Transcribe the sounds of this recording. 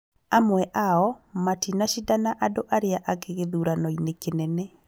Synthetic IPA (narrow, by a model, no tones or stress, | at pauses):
amwɛʔaɔmatinaʃidanaʔadoʔaɾeaʔaɣeɣeðuɾanɔinekenɛnɛ